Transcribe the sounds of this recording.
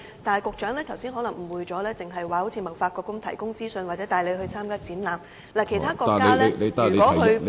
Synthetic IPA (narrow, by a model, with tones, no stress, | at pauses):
t̪aː˨nɐ˨jkʊ˨˧k̚t͡ʃœː˨˥ŋlɛː˥t̪ʰɐ˨˩wsi˥nɦɔː˨˥lɐ˨˩ŋm̩˨˩wuː˨˧jt͡sɔː˨˥lɛː˥t͡sɪ˨ŋɦɐ˨jwaː˨˩ho˨˥wt͡sʰiː˧mɐ˨˩wfaː˧t̚kɔː˧kʊ˥ŋt̪ʰɐ˨˩jkʊ˥ŋt͡siː˥sɵ˧nwaː˨t̚t͡sɛː˨˥t̪aː˨jle˨˧jhɵ˧ɥt͡sʰaː˥mkaː˥t͡siː˨˥nlaː˨˩m | laː˨˩kʰe˨˩jt̪ʰaː˥kɔː˧˨kae˧˥lɛ˧le˨˧jt̪a˨˧wɔː˨˥˨hɵ˧ɥ